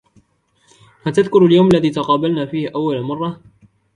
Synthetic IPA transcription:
hat̪aðkʊɾaljawmalːaðiːt̪ɑqɑːbalnaːfiːhʔawːalmɑrˤːɑ

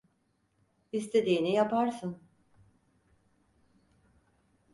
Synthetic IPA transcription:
ist̪ʰe̞d̪iːnijapaɾsɯn

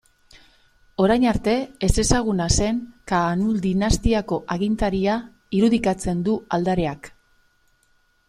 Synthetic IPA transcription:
o̞ɾajnaɾt̪e̞ːse̞saɣ̞unase̞ŋkanuld̪inast̪iako̞ʔaɣint̪aɾia | iɾuðikat͡se̞nd̪uald̪aɾe̞ak

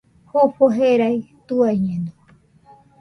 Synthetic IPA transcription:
hopoɦeɾajt̪uajɲẽnd̪o

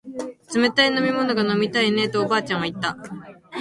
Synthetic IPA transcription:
t͡sɨmet̪aino̞mʲimo̞no̞ɡano̞mʲit̪aine̞t̪o̞ːbaːt͡ɕãɰ̃βait̪ːa

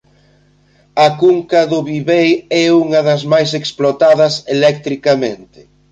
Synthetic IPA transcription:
ɐkuŋkɐðʊβiβejɛuŋɐðɐzmajs̬eksplot̪aðɐselɛk̚t̪ɾikɐment̪ɪ̥

